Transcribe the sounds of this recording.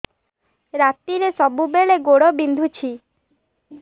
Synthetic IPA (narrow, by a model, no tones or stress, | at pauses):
ɾat̪iɾesɔbubeɭeɡoɽɔbind̪ʱut͡ʃʰi